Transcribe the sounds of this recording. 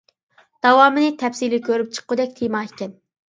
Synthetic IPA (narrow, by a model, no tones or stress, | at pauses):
d̪̥ɑwɑːmɨnɨt̪ʰɛpsilɪkʲøɾyp̚t͡ʃʰə̥qːʊd̪ɛk̚ʲt̪ʰimɑikʲɛn